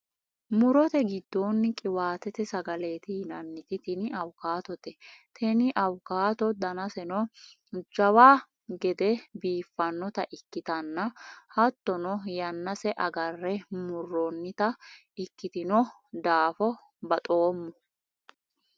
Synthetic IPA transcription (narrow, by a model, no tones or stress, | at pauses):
mʊɾɔt̪ɛɡɪd̪ːoːnːɪkʼɪwaːt̪ɛt̪ɛsɐɡɐle̞ːt̪ɪhɪnɐnːɪt̪ɪt̪ɛnɪɐwkaːt̪ɔt̪ɛt̪ʰɛnɪʔɐwkaːt̪ɔd̪ɐnɐsɛnɔ | d͡ʒɐwaː | ɡɛd̪ɛbiːfːɐnːɔt̪ɐʔɪkːɪt̪ɐnːɐhɐt̪ːɔnɔjɐnːɐsɛʔɐɡɐrːɛmʊrːɔnːɪt̪ɐ | ɪkːɪt̪ɪnɔ | d̪aːfɔ | bɐt̪ʼoːmːɔ